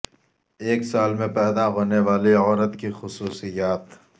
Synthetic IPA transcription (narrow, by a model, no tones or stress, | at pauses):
eːksaːlmẽpɛːd̪aɦoːneʋaːliɔːɾət̪kixʊsuːsijaːt̪